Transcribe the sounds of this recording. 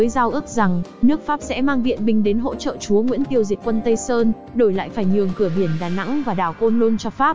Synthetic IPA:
jzaː˧wʔɨ˦˥ək̚za˨˩ŋnɨ˦˥ək̚faː˦˥p̚sɛ̰˧˥maː˧ŋvḭ˧˨ənɓï˨˩ŋ̟ɗe˨˦nɦo̰˧˥t͡ɕə̰ː˧˨t͡ɕu˨˦əŋwḭ˧˥ənt̪i˧əwzi˨˩t̚kwə˧nt̪ə˧jsəː˧n | ɗo˧˩jla̰ː˧˨jfaː˧˩jɲɨ˨˩əŋkɨ˧˩əɓi˧˩ənɗaː˨˩na̰˧˥ŋvaː˨˩ɗaː˨˩wko˧nlo˧nt͡ɕɔ˧faː˦˥p̚

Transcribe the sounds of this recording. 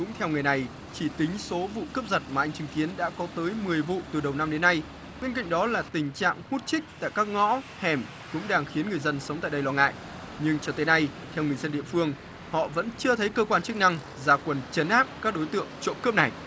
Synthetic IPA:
kʊ̰˧˥ŋ͡mt̪ʰɛ˧wŋ˨˩əjna˨˩j | t͡ɕi˧˩t̪ï˨˦ŋ̟so˨˦vṵ˧˨kəː˦˥p̚zə˨˩t̚maː˨˩ʔa˧jŋ̟t͡ɕɨ˨˦ŋki˨˦ənɗa̰ː˧˥kɔ˨˦t̪əː˨˦jmɨ˨˩əjvṵ˧˨t̪ɨ˨˩ɗə˨˩wna˧mɗe˨˦nːa˧j | ɓe˧nk̬a̰˧˨ŋ̟ɗɔ˨˦laː˨˩t̪ï˨˩ŋ̟t͡ɕa̰ː˧˨ŋhu˦˥t̚t͡ɕï˦˥k̚t̪a̰ː˧˨jkaː˦˥k̚ŋɔ̰˧˥ | hɛ˨˩m | kʊ̰˧˥ŋ͡mɗaː˧ŋxi˨˦ənŋɨ˨˩əjzə˧nsə˨˦wŋ͡mt̪a̰ː˧˨jɗə˧jlwɔː˧ŋa̰ː˧˨j | ɲɨ˧ŋt͡ɕɔ˧t̪e˨˦na˧jt̪ʰɛ˧wŋɨ˨˩əjzə˧nɗḭ˧˨əfɨ˧əŋ | hɔ̰˧˨və̰˧˥nt͡ɕɨ˧ət̪ʰə˨˦jkəː˧kwaː˧nt͡ɕɨ˦˥k̚na˧ŋ | zaː˨˦kwə˨˩nt͡ɕə˨˦nʔaː˦˥p̚kaː˦˥k̚ɗo˨˦jt̪ɨ̰˧˨əŋt͡ɕo̰˧˨mkɨ˦˥p̚na˨˩j

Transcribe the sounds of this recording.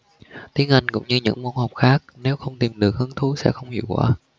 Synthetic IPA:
t̪i˨˦ənʔa˧jŋ̟kʊ̰˧˥ŋ͡mɲɨ˧ɲɨ̰˧˥ŋmu˧nhɔ˨˩wk͡p̚xaː˦˥k̚ne˨˦wxə˧wŋ͡mt̪i˨˩mɗɨ˨˩ək̚hɨ˨˦əŋt̪ʰu˨˦sɛ̰˧˥xə˧wŋ͡mhḭ˧˨əwkwa̰ː˧˦

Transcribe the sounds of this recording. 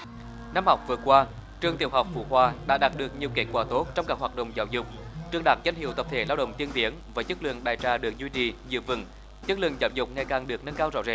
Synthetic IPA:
na˧mhɔ˨˩wk͡p̚vɨ˨˩əkwaː˧ | t͡ɕɨ˨˧˩ət̪i˨˩əwɦa˨˩wk͡p̚fṵ˧˩hwaː˨˩ɗa̰ː˧˥ɗaː˨˩t̚ɗɨ˨˩ək̚ɲi˨˩əwke˦˥t̚kwaː˧˩t̪o˦˥t̚t͡ɕɔ˧wŋ͡mkaː˨˩k̚hwaː˨˩t̚ɗə̰˧˨wŋ͡mzaː˧˦wzʊ˨˩k͡p̚t͡ɕɨ˧əŋɗaː˧˨˦ŋza˧jŋ̟hḭ˧˨əwt̪ə˨˩t̪ʰe˧˩˦laː˧wɗə̰˧˨wŋ͡mt̪i˧ənt̪i˨˦əŋvəː˨˦jt͡ɕɨ˦˥k̚lɨ̰˧˨əŋɗaː˨˩jt͡ɕaː˧˩ɗɨ˨˩ək̚zwi˧t͡ɕi˨˩zɨ̰˧˨əvɨ̰˧˩ŋ | t͡ɕɨ˦˥k̚lɨ̰˧˨əŋzaː˧˩wzʊ˨˩k͡p̚ŋa˨˩jkaː˨˩ŋɗɨ˨˩ək̚nə˧nkaː˧wzɔ̰˧˥zḛ˧˩

